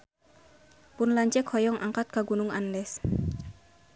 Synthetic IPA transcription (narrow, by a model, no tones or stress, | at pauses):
pʊnlaɲt͡ʃɛkhɔjɔŋʔaŋkat̪̚kaɡunʊŋandɛs